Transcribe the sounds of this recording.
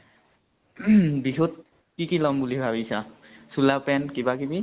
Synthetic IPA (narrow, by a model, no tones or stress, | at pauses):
biɦut̚ | kikilɔmbulibʱabisa | sulapɛnkibakibi